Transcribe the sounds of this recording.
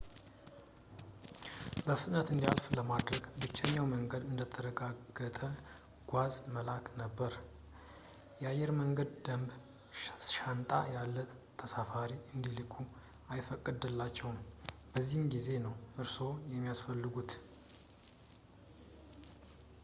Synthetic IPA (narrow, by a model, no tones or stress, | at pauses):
bəfɨt̪ʼnət̪ɨnd̪ialfləmad̪ɾəɡbɨt͡ʃːəɲːawməŋɡəd̪ɨnd̪ət̪ʰəɾəɡaɡːət̪ʼə | ɡ̥ʷazməlaknəbːəɾ | jɛajːɛɾməŋɡəd̪d̪əmb | ʃant̪ʼa̰jalːə | t̪ʰːəsafaɾiɨnd̪ilɨkʰːu | ajfəkʼːɨd̪ɨlːat͡ʃːɛwnbəzːihnɡize̞nəwʔɨɾso̞jɛmːijasfəlːɨɡut̪